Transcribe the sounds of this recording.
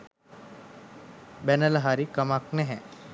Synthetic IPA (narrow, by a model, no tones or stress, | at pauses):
bænələɦaɾikəmaknɛɦɛ